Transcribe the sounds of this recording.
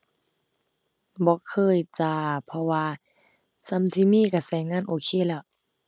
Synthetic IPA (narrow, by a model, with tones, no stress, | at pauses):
bɔː˧˦kʰɤː˧˥˨jt͡ɕa˧˩pʰɔ˧waː˧ | sa˧˨mt̪ʰiː˧˨miː˧˥˨ka˧˩sɛː˨˦ŋaː˧˥˨nʔoː˧˨kʰeː˧˥˨lɛ˧˩˨